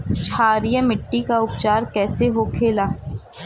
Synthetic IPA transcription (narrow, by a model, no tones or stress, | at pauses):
t͡ʃʰaːɾijəmɪʈːikaʊpt͡ʃaːɾkɛːseɦokʰeːlaː